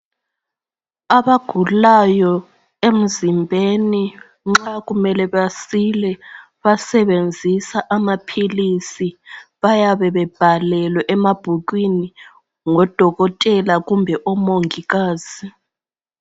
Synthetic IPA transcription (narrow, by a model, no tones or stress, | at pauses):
aβaɡ̥ʱulajɔ | em̩zimbʱeni | ŋ͡ǁaɣumɛlɛβasilɛ | βasɛβend͡zʱisaʔamapʰilisiβajaβɛβɛb̥ʱalɛlwɛʔɛmab̥ʱuɣ̬wini | ŋɔd̥ʱɔɣɔtʼɛlaɣumbʱɛʔɔmoŋiɣaːz̥i